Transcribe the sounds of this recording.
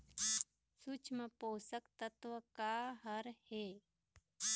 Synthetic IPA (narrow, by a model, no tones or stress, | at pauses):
sut͡ʃməpoːsəkt̪ət̪ʋəkaɦəɾheː